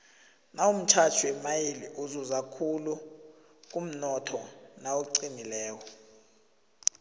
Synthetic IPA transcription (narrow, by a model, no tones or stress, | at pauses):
naum̩t͡ʃʰat͡ʃʰuwɛmajiliʔuzɔzakʰulu | k̬ʼum̩nɔtʰɔnawoǀinilɛːwɔ